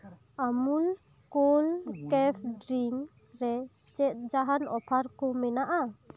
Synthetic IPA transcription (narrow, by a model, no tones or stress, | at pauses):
amul | kolkɛpʰɖɾiŋ | ɾɛ | t͡ʃɛt̪̚d͡ʒaɦanɔpʰaɾkɔmɛnaʔa